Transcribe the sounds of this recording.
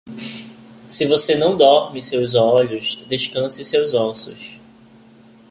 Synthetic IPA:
sɪvosenɐ̃w̃d̪ɔɾmɪsewzɔʎʊsd̪eʃkɐ̃sɪsewzɔsʊ̰s

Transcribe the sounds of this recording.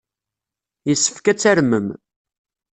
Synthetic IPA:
jəsːə̥fkæt͡sːæɾməm

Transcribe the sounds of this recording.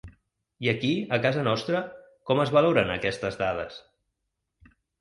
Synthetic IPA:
iəkiəkazənɔst̪ɾə | kɔməzβəloɾənə̰kɛst̪əzðað̞ə̰s

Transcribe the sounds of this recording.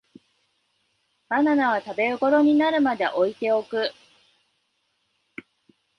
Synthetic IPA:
mananaβ̞at̪abe̞ɾɯ̟ko̞ɾo̞ɲ̟inaɾɯ̟mad̪e̞̰ʔo̞it̪e̞o̞kɯ̟

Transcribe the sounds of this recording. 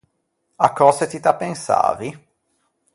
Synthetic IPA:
akʰːɔset̪it̪apːensa̰ːvi

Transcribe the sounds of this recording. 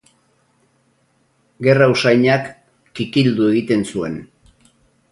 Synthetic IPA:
ɡe̞rausajɲakː | ikild̪ue̞ɣit̪e̞nsue̞̰n

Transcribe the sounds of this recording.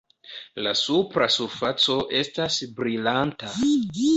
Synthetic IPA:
lasupɾasufat͡so̞ʔe̞stasbɾilanta

